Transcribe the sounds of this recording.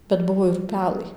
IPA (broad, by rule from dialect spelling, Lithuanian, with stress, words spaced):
bʲɛt ˈbʊʋoː ɪr ˈpʲæːlˠɐɪ